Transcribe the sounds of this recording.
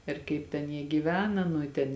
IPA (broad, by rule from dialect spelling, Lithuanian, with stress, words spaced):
ɪr ˈkɐɪp tʲɛn ˈjiɛ ɡʲiːˈʋʲæːnɐ nʊ ɪ ˈtʲɛn